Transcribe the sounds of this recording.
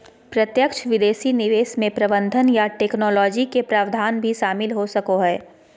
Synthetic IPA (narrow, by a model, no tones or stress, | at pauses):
pɾɐt̪jəkʃʋɪd̪eːʃinɪʋeːsmẽpɾɐbə̃nd̪ʱənjaʈeːknɔːlɔːd͡ʒikepɾaːʋd̪ʱaːnbʱiʃaːmɪlɦosɐkoɦɛː